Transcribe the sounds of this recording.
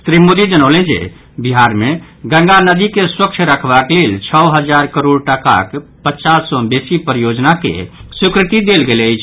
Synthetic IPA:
sɾimod̪id͡ʒənəʊlẽd͡ʒḛ | biɦaɾme | ɡə̃ŋɡanəd̪ikeswək̚t͡ʃʰɾəkʰbaklelt͡ʃʰəwɦəd͡ʒaɾkəɾoɽʈəka̰kpətːt͡ʃasːɔbesipɾjod͡ʒnakḛsukɾɪt̪id̪elɡeleəjt͡ʃʰ

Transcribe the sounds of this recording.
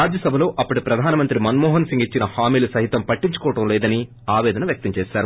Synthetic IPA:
aːd͡ʒjɐsɐbʱɐlo̞ːʔɐpːɐʈipɾɐd̪ʱaːnɐmɐnt̪ɾimɐnmɔːɦɐnsiŋɡit͡ʃːinɐhaːmiːlusɐɦit̪ɐmpɐʈːiɲt͡ʃu̥kɔːɐʈɐmlɛːd̪ɐni | aːʋɛːd̪ɐnɐʋjɐk̚t̪ɐmt͡ʃeːʃaːɾu

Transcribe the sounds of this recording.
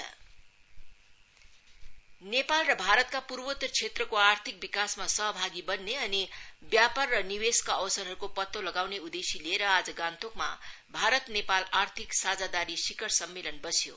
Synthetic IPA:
nepalrʌbʱaɾʌt̪̚kapurwʌt̪rt͡sʰet̪rʌkoart̪ʰik̚bikasmasʌɦʌbʱaɡibʌnːeʌnibjapʌrːʌniweskaʌwsʌrɦʌɾukopʌt̪ːolʌɡawneud̪esileɾʌad͡zʌɡãnt̪okma̰ | bʱaɾʌt̪nepalart̪ʰiksad͡zad̪aɾisikʌɾsʌmːelʌnbʌsjo̰

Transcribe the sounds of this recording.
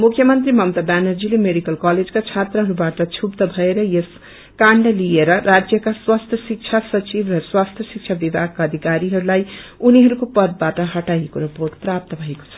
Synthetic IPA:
mukʰːjʌmʌnt̪ɾimʌmt̪abanʌɾd͡zilemeɽikʌlkaled͡zkat͡ʃʰat̪ɾʌɦʌɾubaʈʌt͡ʃʰupt̪ʌbʱʌeɾʌjes | kaɳɖlieɾʌɾad͡ʒjʌkaswast̪ʰjʌsik̚t͡ʃʰasʌt͡ʃibɾʌswast̪ʰjʌsik̚t͡ʃʰabibʱaɡ̚kaːd̪ʱikaɾiɦʌɾulajuniɦʌɾukopʌd̪̚baʈʌɦʌʈajekoɾipoɾʈpɾap̚t̪ʌbʱʌeko̥t͡sʰʌ̥

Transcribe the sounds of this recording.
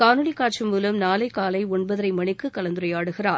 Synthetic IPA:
kaːnɯɽikːaːʈt͡ʃɐmːuːlɐmnaːlɐɪkːaːlɐɪɔɳbɐðɐɾɐɪmɐɳɪkːɯkɐlɐnd̪ʊɾɐɪaːɽɯɣɪraːɾ

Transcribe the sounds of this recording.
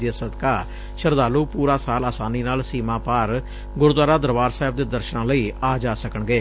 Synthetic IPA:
asəd̪kaː | ʃəɾd̪aːluːpuːɾaːsaːlaːsaːniːnaːlsiːmãːpaːɾ | ɡʊɾd̪waːɾaːd̪əɾbaːɾsaːɦɪb̚d̪eːd̪əɾʃənãːləiːaːd͡ʒaːsəkəɳɡeː

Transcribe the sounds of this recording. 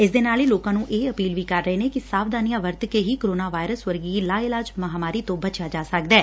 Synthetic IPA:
ɪsd̪eːnaːliːloːkãːnũːʔeːəpiːlʋiːkəɾːəɦeːneːkɪsaːʋd̪aːnɪjãːʋəɾt̪keːɦiːkoɾoːnaːʋaːɪɾəsʋəɾɡiːlaːɪlaːd͡ʒməɦaːmaːɾiːt̪õːbət͡ʃjaːd͡ʒaːsək̚d̪ɛː

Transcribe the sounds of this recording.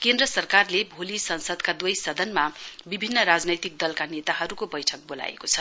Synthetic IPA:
kend̪rʌsʌrkarlebʱolisʌnsʌd̪kad̪wʌjsʌd̪ʱʌnmabibʱinːʌɾad͡znʌjt̪ik̚d̪ʌlkanet̪aɦʌɾukobʌjʈʰʌk̚bola̰jḛkot͡sʰʌ

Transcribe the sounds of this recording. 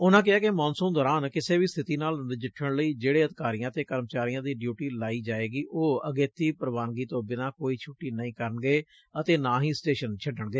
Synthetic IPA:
ʊnãːkɪaːkɪmɔːnsə̃ːd̪ɔːɾaːnkɪseːʋiːst̪ʰɪt̪iːnaːlɪd͡ʒɪʈʰːəɽ̃ləiːd͡ʒeːɽeːəd̪ɪkaːɾijãːət̪eːkəɾmət͡ʃaːɾijãːd̪iːɖjuːʈiːlaːiːd͡ʒaːeːɡiːʔoːəɡeːt̪iːpɾəʋaːnɡiːt̪õːbɪnãːkoːiːt͡ʃʰʊʈːiːnəĩːkəɾəɳɡeː | ət̪eːnãːɦiːsʈeːʃənt͡ʃʰəɖəɳɡeː

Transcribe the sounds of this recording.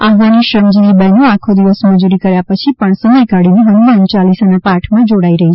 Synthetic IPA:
afɡaniʃɾəmd͡ʒilibənoakʰod̪iʋəsməd͡ʒuɾikəɾjapət͡ʃʰipəɳsəməjkaɽineɦənaənt͡ʃalisənapaɾʈʰmãd͡ʒoɽaiɾəɦit͡ʃʰ

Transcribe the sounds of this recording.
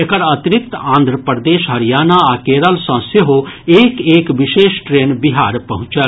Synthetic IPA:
ekəɾɐt̪ɪɾɪk̚t̪ãːnd̪ʱɾəpəɾd̪eːʃɦɐɾijaːnaaːkeːɾəlsɐ̃ːseɦoeːkeːkʋɪʃeːʃʈɾeːnbɪɦaːɾpɐɦʊ̃t͡ʃəl

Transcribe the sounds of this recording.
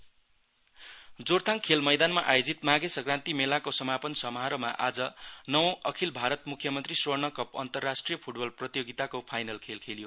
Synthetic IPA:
d͡zort̪ʰaŋkʰelmʌjd̪anmaʔajod͡zit̪maɡesʌɡrant̪imelakosʌmapʌnsʌmʌɦaɾʌma̰ʔad͡zʌnʌwʌkʰilbʱaɾʌt̪mukʰjʌmʌnt̪riswʌrnʌkʌpʌ̰nt̪ʌrːasʈrijʌpʰuʈbʌlprʌt̪ijoɡit̪akopʰajnʌlkʰelkʰelijo

